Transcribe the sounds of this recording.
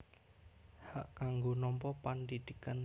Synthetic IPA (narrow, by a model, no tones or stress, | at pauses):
haʔkaŋɡonɔmpɔpandid̪̥ikan